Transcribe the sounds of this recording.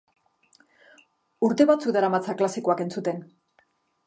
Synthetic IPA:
uɾt̪e̞βat͡sukðaɾamat͡saklasiko̞ake̞nt͡sut̪e̞n

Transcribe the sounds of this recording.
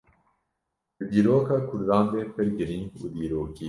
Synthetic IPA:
d̪̥ɨd̪iːɾoːkɑːkʰʊɾd̪ɑːnd̪eːpʰɨɾɡɨɾiŋɡṵːd̪iːɾoːki

